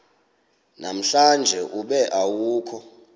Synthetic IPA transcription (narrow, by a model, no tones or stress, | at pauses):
nam̩ɬand͡ʒʱɛʔuɓɛʔawuːkʰɔ